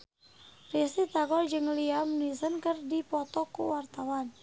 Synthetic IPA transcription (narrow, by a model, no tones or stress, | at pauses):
risit̪aɡɔld͡ʒɨŋliamnisənkɨrdipɔt̪ɔkuwart̪awan